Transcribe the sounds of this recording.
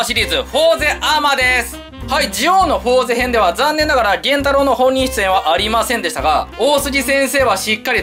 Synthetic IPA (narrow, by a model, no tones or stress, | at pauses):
ɕiɾʲiːzɨho̞ːze̞ʔamad̪e̞sɨ̥ | haid͡ʑijo̞ːno̞ɸo̞ːze̞ɦẽ̞nd̪e̞βazãnːenːaɡaɾaɡẽ̞nt̪aɾo̞ːno̞hõ̞ɲ̟ːĩɕi̥t͡sɨ̥ẽβaʔaɾʲimasẽ̞nd̪e̞ɕit̪aɡa̰oːsɨɡʲisẽ̞ɰ̃se̞ːβaɕikːaɾʲi